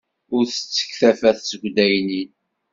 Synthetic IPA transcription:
ʊɾθə̥t͡sːə̥çθæfæθt͡səɡʷd̪æjnin

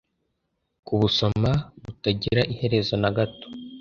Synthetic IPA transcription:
kuβuso̞maβutaɟiɾaʔihe̞ɾe̞zo̞naɡato̥

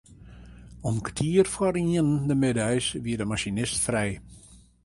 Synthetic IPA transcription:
ɔmktʰiərfwɔɾiənndəmɪdœjsʋiədəmaʃinɪstfrɛj

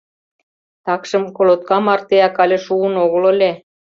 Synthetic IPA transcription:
t̪ɑkʃɤ̆mkolot̪̚kɑmɑrt̪eɑkɑlʲeʃuənoɣə̆lə̆lʲe

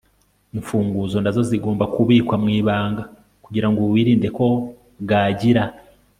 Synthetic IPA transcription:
iɱfuːŋɡuzo̞nazo̞ziɡo̞ːmbakuβiːkwamŋiːβaːŋɡa | kuɟiɾaŋɡoβwiːɾiːnde̞ko̞ | ɡaːɟiɾa

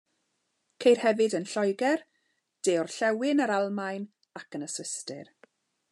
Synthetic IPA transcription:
kʰejr̥hɛvɨdənɬɔjɡɛr | d̥eːɔrɬɛwɪnəɾalˠmajn | akənəswɪstɪ̰r

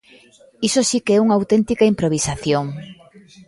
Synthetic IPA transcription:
isosikeɛuŋɐawt̪ɛnt̪ikɐimpɾoβ̞isaθjoŋ

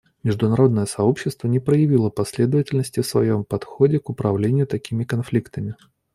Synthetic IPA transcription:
mʲɪʐd̪ʊnɐɾo̞d̪nəjəsɐo̞pɕːɪst̪vənʲɪpɾəjɪvʲilˠəpɐsʲlʲe̞d̪əvətʲɪlʲnəsʲtʲɪfsvɐjo̞mpɐt̪xodʲɪkʊpɾɐvlʲenʲɪjʊt̪ɐkʲimʲɪkɐnflʲikt̪əmʲɪ

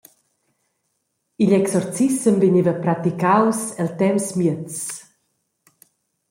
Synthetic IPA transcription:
iʎɛksɔɾt͡sisəmviɲivəpɾat̪ikawsɛlt̪ɛmsmjət͡s

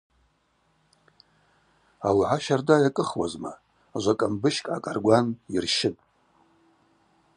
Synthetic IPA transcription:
awiʕʷaʃardajakʼɨχwazma̰ | ʒʷakʼambɨʃkʼʕa̰kʼarɡʷanirʃɪtʼ

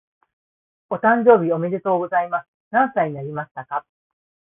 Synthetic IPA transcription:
o̞t̪ãɲ̟d͡ʑo̞ːbʲio̞me̞d̪e̞t̪o̞ːɡo̞zaimasɨ̥nãñsaiɲ̟inaɾʲimaɕi̥t̪aka

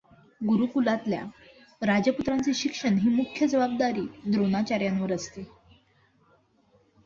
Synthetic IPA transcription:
ɡuɾukulat̪lja̰ | ɾad͡ʑjəput̪ɾant͡seɕikʂəɳɦiːmukʰːjəd͡zəʋab̚d̪aɾiːd̪ɾonat͡ɕaɾjãnʋəɾəst̪e

